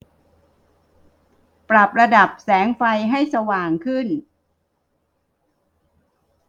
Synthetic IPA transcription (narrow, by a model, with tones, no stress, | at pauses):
pɾa˨˩p̚ɾa˧da˨˩p̚sɛː˩˦ŋfa˧jɦa˥˩jsa˧waː˨˩ŋkʰɯ˥˩n